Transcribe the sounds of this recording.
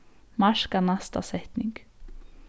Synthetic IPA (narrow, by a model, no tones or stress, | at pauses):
mɑʃkɑnæst̪ɑ̰sɛt̪nɪŋɡ̥